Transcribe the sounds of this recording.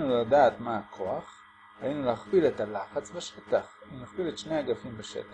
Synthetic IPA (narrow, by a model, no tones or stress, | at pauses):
nulad̪aːt̪maakʰoaχ | ajinulaχbilet̪alaχat͡sbeʃet̪aχimlaχbiletʃnejaɡafimbeʃḛt̪a